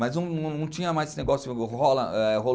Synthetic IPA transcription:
mɐznɐ̃w̃nɐ̃w̃nɐ̃w̃t͡ʃĩɲɐmajsneɡɔsjʊɦɔlɐ̰ɛɦol

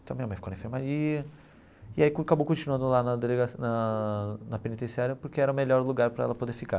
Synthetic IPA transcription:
t̪ɐ̃mĩɲɐmɐ̃jfkownɐẽfeɾmaɾiɐ | iaikakabowkõt͡ʃinuɐ̃nd̪ʊlanɐd̪eleɡasnɐ | nɐpenit̪ẽsiaɾjɐpoɾkeɛɾɐʊmeʎɔɾluɡaɾpɾɐɛlɐpod̪eɾfika

